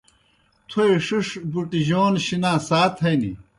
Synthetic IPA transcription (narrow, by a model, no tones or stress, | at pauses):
t̪ʰoeʂuʂbuʈiʑoːnɕinãːsaːt̪ʰhɐjnḭ